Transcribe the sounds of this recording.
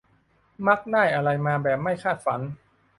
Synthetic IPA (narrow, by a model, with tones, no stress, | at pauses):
ma˦˥k̚naː˥˩jʔa˧ɾa˧jmaː˧bɛː˨˩p̚ma˥˩jkʰaː˥˩t̪̚fa˩˦n